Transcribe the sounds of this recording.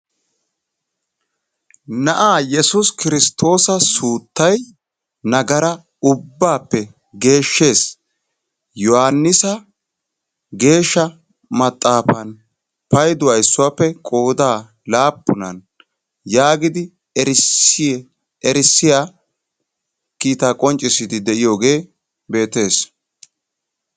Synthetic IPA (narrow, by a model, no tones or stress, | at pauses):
nɐʔaːjɛsʊskɪɾɪst̪ːo̞ːsɐsuːt̪ːɐj | nɐɡɐɾɐ | ʊbːaːpːɛ | ɡe̞ːʃːe̞ːs | jɔhanːɪsɐ | ɡe̞ːʃːɐ | mɐt̪ʼːaːfɐn | pɐjd̪ʊɐjsːʊwaːpːɛkʼo̞ːd̪aː | laːpːʊnɐn | jaːɡɪd̪ɪ | ɾs | ɛɾɪsːɪja | kiːt̪aːkʼɔnt͡ʃʼːɪsɪd̪ɪd̪ɛʔɪjo̞ːɡe̞ː | be̞ːt̪e̞ːs